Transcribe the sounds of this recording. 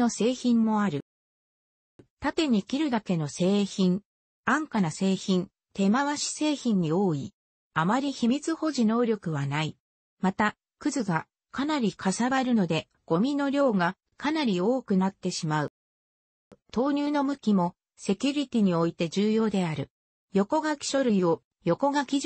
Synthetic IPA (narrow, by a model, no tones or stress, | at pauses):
o̞se̞ːçĩmːo̞aɾɯ̟ | t̪at̪e̞ɲ̟ikʲiɾɯ̟d̪ake̞no̞se̞ːçĩɴ | ãŋkanase̞ːçĩn | t̪e̞maβaɕi̥se̞ːçĩɲ̟ːio̞ːi | amaɾʲiçimʲit͡sɨho̞ʑino̞ːɾʲo̞kɯ̟βanai | mat̪a | kɯ̟zɨɡa | kanaɾʲikʰasaβaɾɯ̟no̞d̪e̞ | ɡ̥o̞mʲino̞ɾʲo̞ːɡa | kanaɾʲio̞ːkɯ̟nat̪ːe̞ɕimaɯ̟ | t̪o̞ːɲ̟ɨːno̞mɯ̟kʲimo̞ | se̞kʲɯɾʲit̪ʲiɲ̟io̞it̪e̞ʑɨːjo̞ːd̪e̞aɾɯ̟ | jo̞ko̞ɡakʲi̥ɕo̞ɾɯ̟io | jo̞ko̞ɡakʲiʑ